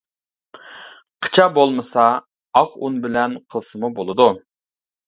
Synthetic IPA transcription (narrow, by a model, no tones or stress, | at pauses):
qʰə̥t͡ʃʰɑbolˠmɨsɑ | ɑqunbɪlɛnqʰəlˠsɨmubolˠɨd̪u